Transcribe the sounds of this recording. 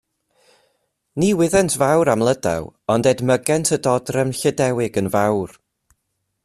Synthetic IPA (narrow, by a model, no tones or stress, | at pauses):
niːwɪðɛntʰvawɾamlˠəda̰wɔndɛdməɡɛntʰədɔdrɛmɬədɛwɪɡənvawr